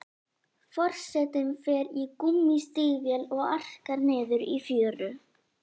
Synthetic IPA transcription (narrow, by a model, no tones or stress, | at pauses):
fɔr̥sɛt̪ʏmfɛːɾikumːist̪ɪːɣvjɛlɔɣar̥kaɾnɛːðʏɾifjœːɾʏ